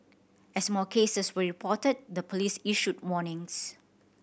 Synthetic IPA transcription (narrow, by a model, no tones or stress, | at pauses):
ɛsmɔkʰesəswəɹipʰɔtəd̚dəpʰolisiʃut̚wɔnɪ̃ŋs